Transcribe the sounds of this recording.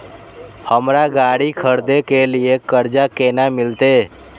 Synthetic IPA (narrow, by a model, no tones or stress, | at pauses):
həmɾaɡaːɽikʰəɾd̪ekeliekəɾd͡ʒakeːnamɪlt̪e